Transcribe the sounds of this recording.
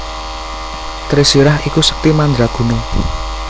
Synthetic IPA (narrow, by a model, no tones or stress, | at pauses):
t̪ɾisiɾaɦikusə̥k̚t̪imand̪ɾaɡ̥ṳno